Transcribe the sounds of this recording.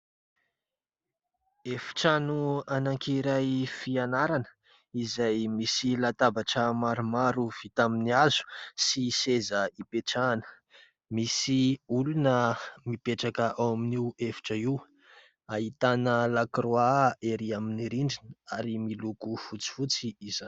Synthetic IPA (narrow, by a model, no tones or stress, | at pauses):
efi̥ʈ͡ʂanuanaŋkiɾajfianaɾanə̥ | izajmisilat̪abaʈ͡ʂəmaɾumaɾuv̥it̪aminiazu̥sisezəipeʈ͡ʂaːnə̥ | misiulunəmipeʈ͡ʂakəʔawaminiefi̥ʈ͡ʂəiw | aɦit̪anəlakroaeɾiaminiɾiɳɖ͡ʐinəaɾimilukufut͡si̥fut͡siːzan